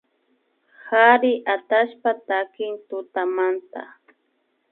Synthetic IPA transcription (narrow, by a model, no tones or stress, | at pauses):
haɾɪʔat̪aʃpat̪akɪnt̪ʊt̪amant̪a̰